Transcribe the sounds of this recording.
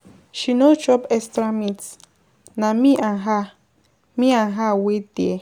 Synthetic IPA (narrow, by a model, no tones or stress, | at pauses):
ʃinot͡ʃɔpɛstɾamits | namiʔanɦa | miãnɦawedie